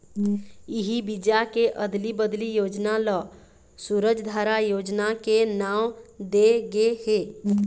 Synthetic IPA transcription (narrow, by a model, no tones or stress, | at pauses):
iɦibid͡ʒakeʔəd̪libəd̪lijod͡ʒnalɔ | suɾəd͡ʒd̪ʱaɾajod͡ʒnakenamd̪eɡehe